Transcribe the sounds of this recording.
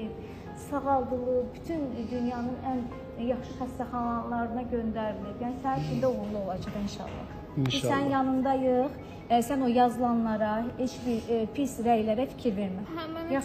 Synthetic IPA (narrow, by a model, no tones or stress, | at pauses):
i | sɑɣɑlˠd̪ɯlˠɯbyt̪ʰynd̪ynjɑnɯnæn | jɑχʃɯpʰæst̪æχɑnɑlˠɑɾɯnɑɟø̞nd̪æɾlipjænisæɾfʰild̪æoɣuɾlˠuo̞lˠɑd͡ʒɯʁinʃɑ̰lˠːɑ̰ | isæninjɑnɯnd̪ɑjɯʁ | sæno̞jɑzɯlˠɑnlˠɑɾɑhet͡ʃbiɾpʰisɾæjlæɾæfi̥cʰiɾve̞ɾmæjɑ